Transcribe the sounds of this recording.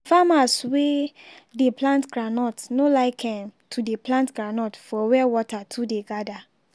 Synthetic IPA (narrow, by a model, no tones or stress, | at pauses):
famaswe | deplãntɡɹanɔtnolaɪkʰɛ̃mtʰudeplãntɡɾanɔtfɔwɛwɔtatʰudeɡada